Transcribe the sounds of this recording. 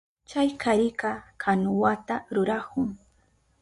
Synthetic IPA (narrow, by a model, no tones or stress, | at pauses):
t͡ʃajkʰaɾɪkɑkʰanʊwat̪aɾʊɾakʊŋ